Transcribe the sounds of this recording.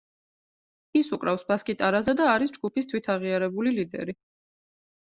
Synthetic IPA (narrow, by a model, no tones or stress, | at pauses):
isukʼɾafsbaskʼit̪ʼaɾazɛd̪aːɾisd͡ʒɡupʰist̪ʰwit̪ʰaʁiaɾɛbulilid̪ɛ̰ɾi